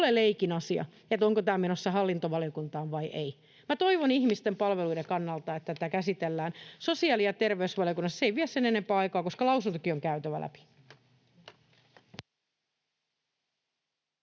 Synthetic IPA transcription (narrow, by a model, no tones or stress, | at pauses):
leleikinɑsiɑ̰ | et̪oŋkot̪æːmenosːɑɦɑlːint̪oʋɑlijokunt̪ɑːʋʋɑiʔei | mæt̪oiʋonihmist̪empɑlʋeluidekɑnːɑlt̪ɑet̪ːæt̪ækæsit̪elːæːnsosiɑːlijɑt̪erʋeysʋɑliokunːɑsːeiʋiɛsenenempæːɑikɑːkoskɑlɑusunt̪ukioŋkæyt̪øʋæ̰lʔæ̰pi̥